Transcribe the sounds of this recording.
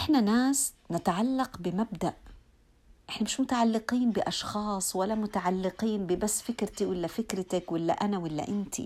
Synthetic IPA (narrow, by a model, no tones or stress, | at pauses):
ʔʔɪħnanaːs | nɪt̪ʕalːɑqbɪmabd̪aʔ | ʔɪħnamɪʃmʊt̪aʕalːɪqiːnbɪʔɑʃxɑːsˤwalːamʊt̪aʕalːɪqiːnbɪbasːfɪkɾt̪iwɪlːafɪkɾat̪akwɪlːa̰ʔanawɪlːa̰ʔɪnt̪ʰḭ